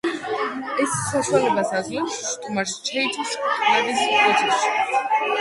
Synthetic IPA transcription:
ɛsːaʃwalɛbasazlɛpsːt̪ʼumaɾst͡ʃʰɛit͡ʃʰɔsʰt̪ʰʼulɛbispʰɾɔd͡ʒʰʼɛʃi̥

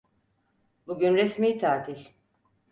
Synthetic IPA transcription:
buɟynɾesmiːt̪ʰaːt̪ʰil

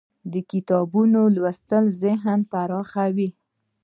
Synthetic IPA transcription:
d̪əkɪt̪ɑbunolwast̪əlzɪɦənpaɾɑxawi

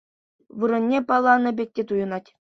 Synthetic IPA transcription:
ʋɯɾɤ̆nʲːepɑlˠːɑnɤ̆bʲek̚ʲtʲet̪ujɤ̆nɑtʲ

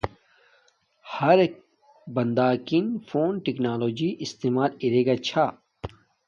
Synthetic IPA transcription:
hɐɾ | bɐnd̪aːkinfoːnʈiknaːloːd͡ʑiːʔist̪eːmaːliɾeːɡat͡ɕʰa

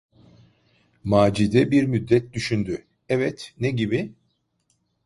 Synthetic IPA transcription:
maːd͡ʒid̪ɛbiɾmyd̪ːɛt̪̚d̪yʃynd̪y | ɛvɛt̪neɟibi

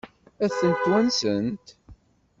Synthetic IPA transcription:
æθənt̪ːwænsənt̪

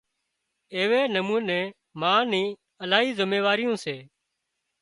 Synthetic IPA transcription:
eːʋeːnəmũːnẽː | mãːnĩː | əlaːɦiːzəmeːʋaːɾɪjõːseː

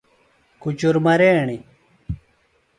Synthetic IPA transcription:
kut͡ɕuɾmɐɾeːɳi

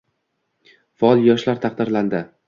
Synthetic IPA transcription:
fɒɒlˠjɒʃlaɾt̪ʰɑq̚d̪ɪɾland̪ɪ

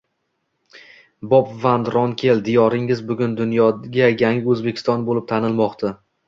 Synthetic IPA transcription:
bɒpvand̪ɾɒnkʲʰeld̪ijɒɾɪŋɪzbʊɡʲʊnd̪ʊnjɒɡʲajaŋɪɵzbekʲʰɪ̥st̪ɒnbolɪp̚t̪ʰanɪlˠmɒqt̪ʰa

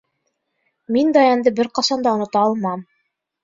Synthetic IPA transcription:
mind̪ɑjɑnd̪ɤbɘɾqɑsɑnd̪ɑŏnŏt̪ɑːlˠmɑm

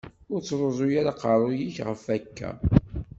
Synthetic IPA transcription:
ʊɾt͡sːɾˤozˤʊjaɾaqɑɾˤʊjiçʁəfækːæ̰

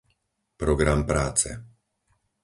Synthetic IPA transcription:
pɾɔɡɾampɾaːt͡sɛ̰

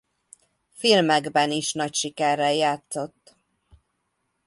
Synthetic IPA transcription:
filmɛɡbɛniʃnɒcʃikɛrːɛjaːt̪so̞t̪ː

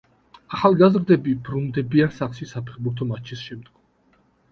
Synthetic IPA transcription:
aχalˠɡazɾd̪ɛbibɾund̪ɛbiansaχʃisapʰɛχbuɾt̪ʰɔmat͡ʃʰisʃɛmd̪ɡɔm

